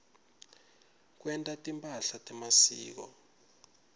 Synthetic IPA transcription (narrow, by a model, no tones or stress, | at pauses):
k̬wɛntʼatʼimpʼaɬatʼɛmasḭːk̬ɔ̰